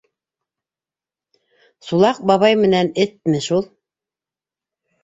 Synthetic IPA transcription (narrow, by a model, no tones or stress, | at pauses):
sulˠɑq̚bɑβɑjmɘ̆nænɘt̪̚mɘʃulˠ